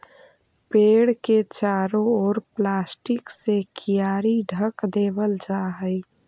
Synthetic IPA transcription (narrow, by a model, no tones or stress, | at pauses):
peːɽket͡ʃaːɾoɔːɾplaːsʈɪksekʰijaːɾiɖʱəkd̪eːbəld͡ʒaːɦəj